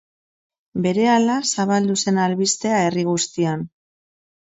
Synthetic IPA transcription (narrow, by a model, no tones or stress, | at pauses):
be̞ɾe̞alasaβald̪use̞nalβist̪e̞ae̞riɣ̞ust̪ian